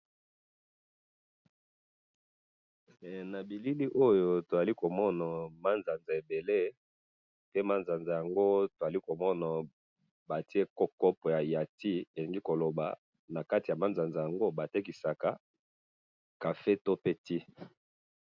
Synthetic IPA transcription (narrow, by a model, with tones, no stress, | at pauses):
na˨bi˨li˦li˦ʔo˦jo˨to˨za˨li˦ko˨mɔ˦na˨ma˦nza˨nza˨e˨be˨le˦ | pe˦ma˦nza˨nza˨ja˨ŋɡo˦to˨za˨li˦ko˨mɔ˦na˨ | ba˨ti˦e˦kɔ˦kɔ˦pɔ˨ja˨ja˨ti˦e˨li˨ŋɡi˦ko˨lo˨ba̰˨ | na˨ka˦ti˨ja˨ma˦nza˨nza˨ja˨ŋɡo˦ba˨te˦ki˨sa˨ka˨ | ka˨fe˦to˦pe˦ti˦